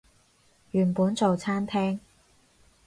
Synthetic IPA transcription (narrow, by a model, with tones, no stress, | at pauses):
jyː˨˩npuː˨˥nt͡so˨wt͡sʰaː˥nt̪ʰɛː˥ŋ